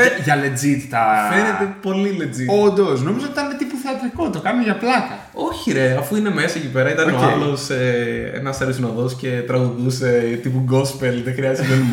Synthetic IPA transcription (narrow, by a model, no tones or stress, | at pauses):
ʝɐle̞d͡zit̪t̪ɐfe̞net̪epo̞lile̞d͡zio̞nd̪o̞sno̞mizot̪it̪ɐninet̪ipuθeɐt̪ɾikot̪o̞kɐnumeʝɐplɐk̪ɐ | o̞çiɾeɐfuine̞me̞sɐecipe̞ɾɐit̪ɐnoalo̞seḛnɐsɐɾisinoðo̞sce̞t̪ɾɐɣuðuse̞t̪ipuɡo̞spelðexɾiɐzezk̪onim